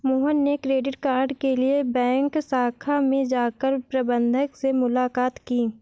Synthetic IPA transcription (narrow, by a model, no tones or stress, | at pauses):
moːɦənːekɾeːɖɪʈkaːɾɖkeliebɛ̃ːŋksaːkʰamẽd͡ʒaːkəɾpɾɐbə̃nd̪ʱəksemʊlaːkaːt̪kiː